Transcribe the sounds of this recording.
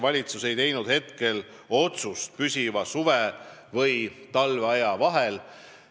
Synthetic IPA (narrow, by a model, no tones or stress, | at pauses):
vɑlʲit̪suse̞jt̪e̞jnud̪̥he̞t̪ke̞l | o̞t̪sust̪̚pysʲivɑsuvevɤjt̪ɑlveɑjɑvɑɦel